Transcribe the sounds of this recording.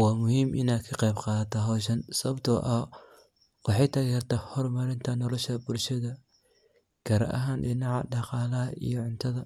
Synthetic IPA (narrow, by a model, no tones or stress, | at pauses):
wɑːmʊhiːmʔɪnaːkʰɐqɛjbqɑːðɐt̪ʰɐɦɔːʃ̬ɐnsɐβɐbt̪ʰɐ̰ʔɐ | wɑħɑjt̪ʰɐːɣɪkʰɐrt̪ʰaːhɔrmɐɾɪnt̪ʰɐnɔlɔʃɐbʊlʃɐðɐ | kʰɐɾɐ̰ʔɐ̰ɦaːnɖɪnɑʕɑ̰ɖɑqɑːlɐɦɐʔḭjɔʕʊnt̪ʰɐðɐ